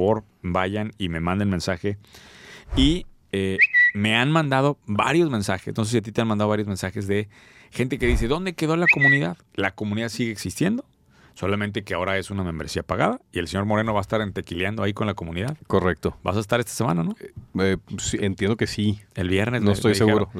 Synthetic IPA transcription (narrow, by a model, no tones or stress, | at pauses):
βo̞ɾ | baʝanime̞mãnd̪elmẽ̞nsaxe̞ | i | eme̞anmãnd̪að̞o̞βa̰ɾjo̞zmẽ̞nsaxḛnos̬esiat̪it̪eanmand̪aðaɾjo̞zmẽnsaxezðe̞ | xe̞nt̪e̞ke̞ðis̬e̞ðo̞nd̪e̞ke̞ðo̞lako̞mũniðað | lako̞mũniðaðsiɣeeːksist̪je̞nd̪o̞ | so̞lament̪e̞keao̞ɾae̞sunamẽ̞mbɾe̞siapaɣaðaie̞lseɲo̞ɾmo̞ɾe̞noaest̪aɾent̪e̞kiljand̪o̞aiko̞nlako̞mũniðaðkorek̚t̪oba̰saes̬t̪aɾe̞st̪ḁsemã̰nanoesient̪jend̪okesielβjeɾnesnoest̪ojsseɣuɾo